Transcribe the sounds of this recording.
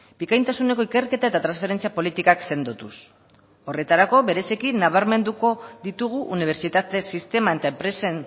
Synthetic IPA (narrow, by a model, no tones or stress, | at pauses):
bikajnt̪asune̞k̬o̞ike̞rke̞t̪ae̞t̪at̪ɾansfe̞ɾe̞nt͡siapo̞lit̪ikakse̞nd̪ot̪us | o̞re̞t̪aɾako̞βe̞ɾe̞sikinːaβ̞aɾme̞nd̪uko̞ðit̪uɣ̞uʔuniβ̞e̞ɾt͡ʃit̪at̪e̞sist̪e̞mae̞t̪aempɾe̞sen